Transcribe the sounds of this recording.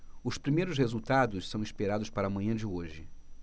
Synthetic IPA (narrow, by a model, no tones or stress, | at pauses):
ʊspɾimejɾʊs̬hezuwt̪ad̪ʊssɐ̃w̃ispeɾad̪ʊspaɾɐamɐ̃ɲɐ̃d͡ʒɪoʒɪ